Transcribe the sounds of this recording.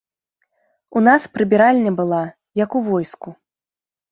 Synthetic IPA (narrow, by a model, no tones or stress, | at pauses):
unaspɾɨbʲiɾalʲnʲɐbɨlˠa | jɐkuvɔjsku